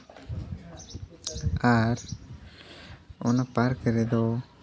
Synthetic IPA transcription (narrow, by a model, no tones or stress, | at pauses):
aɾ | ɔ̰napaɾkəɾɛd̪ɔ